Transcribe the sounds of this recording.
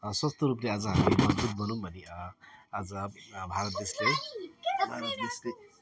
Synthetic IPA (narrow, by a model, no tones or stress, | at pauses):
swʌst̪oɾuplead͡zʌɦamilebʌd͡zb̪ut̪̚bʌnũmbʱʌne | ad͡zʌbʱaɾʌt̪̚d̪esle | bʱaɾt̪d̪esle